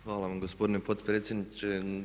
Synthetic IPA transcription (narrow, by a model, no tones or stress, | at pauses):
hʋaːlˠaʋamɡospo̞d̪inepo̞t̪pɾeːt̪sʲjed̪nit͡ʃe